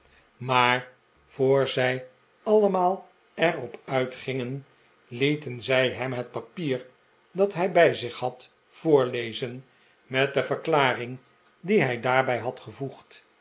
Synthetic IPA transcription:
maːɹ | v̥oːɹzɛj | ɑləmaːlˠ | ɛɹɔpœɥtχɪŋən | litənzɛjɦɛmɦət̚pɑpiːɹ | dɑtɦɛjbɛjzɪχɦɑt | foːɹlejzən | mɛt̚dəvəɹklaːrɪŋ | diɦɛjdaːɹbɛjɦɑtχəvuχt

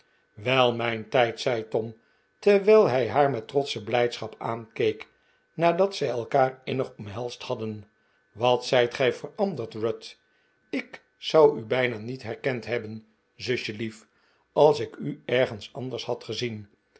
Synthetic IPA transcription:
ʋɛlˠmɛjntɛjtsɛjtɔm | təʋɛlˠɦɛjɦaːɹmɛtrɔtsəblɛjtsχɑpaːnkejk | naːdɑtsɛjɛlˠkaːɹɪnəχɔmɦɛlˠsthɑdən | ʋɑtsɛjtχɛjfərɑndəɹtrɔt | ɪk | sɑwybɛjnaːnitɦɛrkɛntɦɛbən | zɵʃəlif | ɑlˠsɪkyɛɹχənsɑnd̪əɹshɑtχəzin

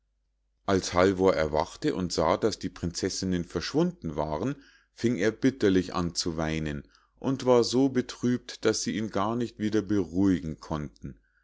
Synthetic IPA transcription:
ʔalshalvoːɐʔɛɐva̰χtəʔʊntz̥aːdasd̥iːpʁ̥ɪnt͡sɛsɪnənfɛɐʃv̥ʊndn̩va̰ːʁ̞ən | fɪŋeːɐbɪtɐlɪçʔa̰nt͡suvaɪnən | ʔʊntv̥aːɐzoːbətʁ̥yːp̚td̥asz̥iːʔiːnɡaːɐnɪçtv̥iːdɐbəʁuːɪɡŋ̩kʰɔntn̩

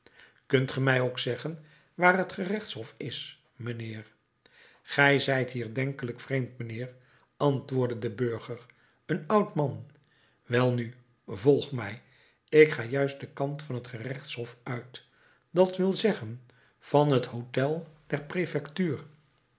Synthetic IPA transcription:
kɵntχəmɛjowksɛχən | ʋaːrɦətχərɛχtshɦɔfɪs | mənɪːr | χɛjzɛjtɦiːɹdɛŋkələkfrejmtmənɪːr | ɑntʋʊːɹdədəbøɹχəɹ | ənɑwtmɑn | ʋɛlˠny | vɔlˠχmɛj | ɪkχaːjœɥstdəkɑntfɑnɦətχərɛχtsɦɔfœɥt | dɑtʋɪlˠzɛχən | v̥ɑnɦətɦowtɛlˠd̥ɛɹprefɛktyːr

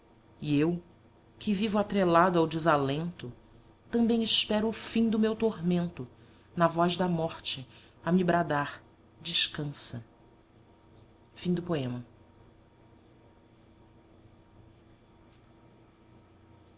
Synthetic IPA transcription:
iew | kʰɪvivʊat̪ɾelad̪ʊawd͡ʒɪzalẽnt̪ʊ | t̪ɐ̃mbẽj̃ɪʃpɛɾʊːfĩd̪ʊmewt̪oɾmẽnt̪ʊ | nɐvɔzd̪ɐmɔχt͡ʃɪ | ɐmibɾad̪aɾ | d͡ʒɪʃkɐ̃sɐ | fĩd̪ʊpoẽmɐ

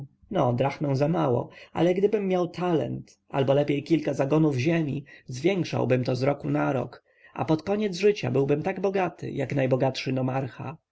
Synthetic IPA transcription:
nɔd̪ɾaxnɛw̃zamawɔ̰ʔa̰lɛɡd̪ɘbɘmːjawt̪ʰalɛ̰nt̪ | ʔa̰lbɔlɛpʲjejkʲilkazaɡɔnuvʑemʲizvʲjɛŋkʂa̰wbɘmt̪ɔzɾɔkunaɾɔ̰k | ʔa̰pɔt̪kɔɲɛd̪zʐɘt͡ɕa̰bɘwbɘmt̪aɡbɔɡat̪ɘ̰jaknajbɔɡatʂɘnɔmaɾxa̰

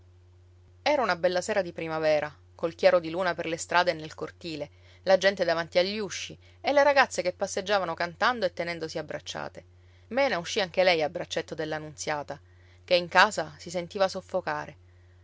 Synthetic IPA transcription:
ɛːɾaunabɛlːaseːɾad̪ipɾimavɛːɾa | kolk̟jaːɾod̪iluːnaperlest̪ɾʔaːd̪enːelkort̪iːle | lad͡ʒɛnt̪ed̪avant̪iaʎːuʃːi | elːeɾaɡat̪sːekepːasːed͡ʒːaːvanokant̪and̪oet̪ːenɛnd̪osiabɾa̰t͡ʃːa̰ːt̪e | mɛːnauʃːiaŋk̟elɛjabːɾat͡ʃːet̪ːod̪elːanunt̪sjaːt̪a | keiŋkaːzasisent̪iːvasofːokaːɾe

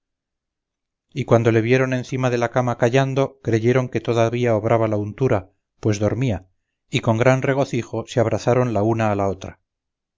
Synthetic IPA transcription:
ikwand̪o̞le̞βje̞ɾo̞nẽ̞nθimaðe̞lakamakaʝand̪o̞kɾe̞ʝe̞ɾo̞ŋke̞t̪o̞ðaβiaoβɾaβalaunt̪uɾa | pwe̞zðo̞ɾmia | iko̞ŋɡɾanre̞ɣ̞o̞θiχo̞seaβ̞ɾaθaɾo̞nlaunaːlao̞t̪ɾa

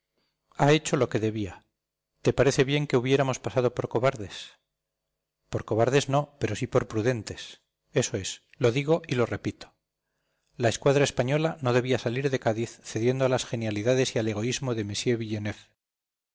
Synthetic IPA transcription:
ae̞t͡ʃo̞lo̞ke̞ðe̞βia | t̪e̞paɾe̞θe̞βje̞ŋke̞uβje̞ɾamo̞spasað̞o̞po̞ɾko̞βaɾðe̞s | po̞ɾko̞βaɾðe̞zno̞pe̞ɾo̞sipo̞ɾpɾuðe̞nt̪e̞s | e̞so̞e̞s | lo̞ðiɣo̞ilo̞re̞pit̪o | lae̞skwaðɾae̞spaɲo̞lano̞ðe̞β̞iasaliɾðe̞kaðiθθe̞ðje̞nd̪oalasxe̞njaliðaðe̞siale̞ɣ̞o̞izmo̞ðe̞mesje̞βiʎene̞f

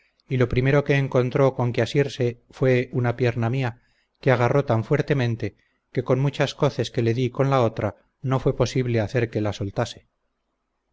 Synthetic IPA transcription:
ilo̞pɾime̞ɾo̞ke̞ːŋko̞nt̪ɾo̞ko̞ŋkeasiɾse̞ | fwe̞unapje̞ɾnamia | keaɣ̞aro̞t̪aɱfwe̞ɾt̪e̞mẽ̞nt̪e̞ | ke̞ko̞nmut͡ʃasko̞θe̞ske̞le̞ðiko̞nlao̞t̪ɾa | no̞fwe̞po̞siβle̞aθe̞ɾke̞laso̞lt̪ase̞̥

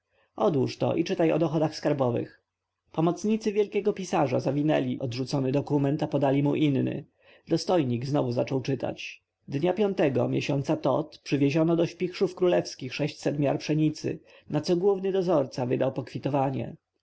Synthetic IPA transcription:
ɔd̪wuʂt̪ɔ̰ʔit͡ʂɘt̪ajɔ̰d̪ɔxɔd̪axskaɾbɔvɘ̰x | pɔmɔt̪sɲit̪sɘvʲjɛlkʲɛɡɔpʲisaʐa̰zavʲinɛlʲiʔɔd̪ʐut̪sɔnɘd̪ɔkumɛnt̪apɔd̪alʲimuʔinːɘ̰ | d̪ɔst̪ɔjɲiɡznɔvuzat͡ʂɔwt͡ʂɘt̪a̰t͡ɕ | d̪ɲapʲjɔnt̪ɛɡɔ̰mʲjeɕɔnt̪sat̪ɔ̰t̪pʂɘvʲjeʑɔnɔd̪ɔɕpʲixʂufkɾulɛfskʲixʂɛɕt͡ɕsɛt̪mʲjaɾpʂɛɲit̪sɘ̰ | nat̪sɔɡwuvnɘd̪ɔzɔɾt̪savɘd̪awpɔkfʲit̪ɔvaɲɛ̰

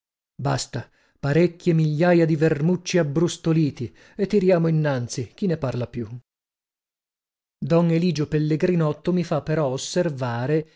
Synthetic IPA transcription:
ba̰st̪a | paɾekʲːjemiʎːaːjad̪ivermut͡ʃːiabːɾust̪oliːt̪i | et̪ːiɾjaːmoinːant̪sik̟inːeparlapju | d̪ɔneliːd͡ʒopelːeɡɾinɔt̪ːomifapːeɾɔosːervaːɾe

